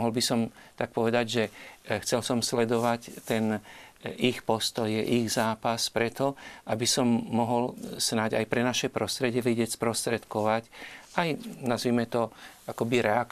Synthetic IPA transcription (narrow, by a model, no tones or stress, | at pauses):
ɦɔlbisɔmt̪ak̚pɔʋɛd̪aɟʒɛxt͡sɛlsɔmslɛd̪ɔʋact̪ɛn | ixpɔst̪ɔjɛʔiɣzaːpaspɾɛt̪ɔʔabisɔmːɔɦɔlsnaɟa̰jpɾɛnaʃɛpɾɔst̪ɾɛɟɪɛʋɛɟɪɛcspɾɔst̪ɾɛt̪kɔʋacajnazʋimɛt̪ɔʔakɔbiɾɛak